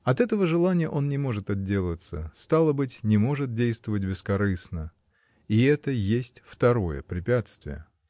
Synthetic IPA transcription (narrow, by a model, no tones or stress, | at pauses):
ɐt̪ɛt̪əvəʐɨlˠanʲɪjəʔo̞nnʲɪmo̞ʐɨt̪ɐd̪̚dʲelˠət̪səst̪alˠəbɨtʲnʲɪmo̞ʐɨt̪̚dʲejst̪vəvətʲbʲɪskɐɾɨsnə | iɛt̪əjesʲtʲft̪ɐɾo̞jə̰pɾʲɪpʲat̪st̪vʲɪ̰jə̰